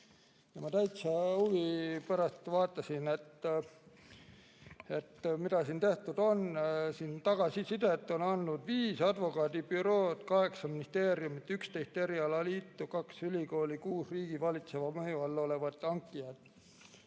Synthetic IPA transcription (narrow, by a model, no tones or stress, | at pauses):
jɑmɑt̪æjt̪sɑuvipæɾɑst̪vɑːt̪ːˑɑsinet̪ː | e̞t̪ːmid̪ɑsiːnt̪e̞ht̪ud̪̥o̞nsiːnt̪ɑɡ̥ɑsisid̪̥et̪ːˑo̞nɑnːud̪̥viːsɑd̪̥vo̞kɑːd̪ipyɾo̞ːd̪̥kɑɦe̞ksɑminist̪e̞ːɾijumit̪ːˑykst̪e̞jst̪e̞ɾiɑlɑliːt̪ːukɑksylʲiko̞ːlikuːsriːɡ̥ivɑlit̪se̞vɑmɤjuɑlːo̞le̞vɑt̪ːˑɑŋkˑːijɑd̪̥